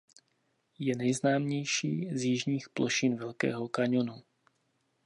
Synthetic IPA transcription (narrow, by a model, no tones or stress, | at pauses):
jɛnɛjznaːmɲɛjʃiːzjɪʒɲiːxplʔoʃɪnvɛlkɛ̰ːɦo̞kaɲonu